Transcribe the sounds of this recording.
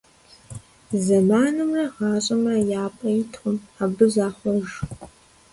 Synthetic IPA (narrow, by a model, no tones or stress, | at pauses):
zɐmaːnɨmrɐʁɑːɕʼɐmɐjaːpʼɐjɪtʰχʷʊmabɨzaːχʷɔʒ